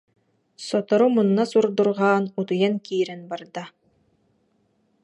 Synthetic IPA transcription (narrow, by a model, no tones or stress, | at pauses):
sɔt̪ɔɾumunːasuɾd̪uɾʁaːnut̪ujankiːɾɛnbaɾd̪a